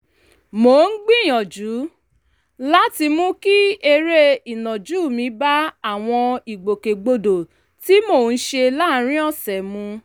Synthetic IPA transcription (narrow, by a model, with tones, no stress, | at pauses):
mo˨n̩˦ɡ͡bĩ˦˨j̃ɔ̃˨d͡ʒu˨˦ | la˦ti˧mũ˦ki˦e˧ɾe˦i˨nɔ̃˨d͡ʒu˦˨mĩ˧˦ba˦a˦˨w̃ɔ̃˧i˨ɡ͡bo˨ke˨ɡ͡bo˧do˨ | ti˦mo˦˨n̩˦ʃe˧la˦˨˦ɾ̃ĩ˦ɔ˦˨sɛ˨mũ˧